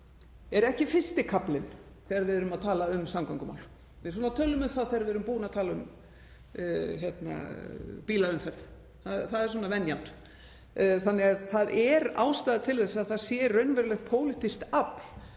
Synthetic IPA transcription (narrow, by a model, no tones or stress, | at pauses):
ɛɾɛhcɪfɪst̪ɪkʰaplɪn | θɛːɣaɾvɪðɛɾʏmaðt̪ʰaːlaʏmsamkawŋkʏma̰wl | mɪsɔːnat̪ʰœːlʏmʏmθaðθɛɣaɾvɪðɾʏmpuːnaðt̪ʰaːlaʏm | çɛt̪na̰piːlaʏmfɛɾð | θaðθaðɛɾ̥swɔːnavɛnjan | θanːɪɣaθaðʔɛɾa̰ːwst̪aːðt̪ʰɪlθɛsːaðθaðsjɛrœɥnvɛɾlɛxt̪̚pʰoːwlɪht̪ist̪apl̥